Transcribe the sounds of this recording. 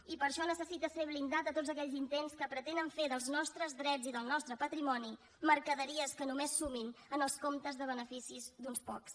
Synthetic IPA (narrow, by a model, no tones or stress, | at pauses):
ipəɾʃɔnəsəsit̪əseβlind̪at̪ət̪od͡zzəkɛʎzint̪enskəpɾət̪enəɱfeðəlˠznɔst̪ɾəzðɾɛd͡ziðəlˠnɔst̪ɾəpət̪ɾimɔni | məɾkəðəɾiəskənumesːuminənəlˠskomt̪əzðəβ̞ənəfisizd̪unspɔ̰ks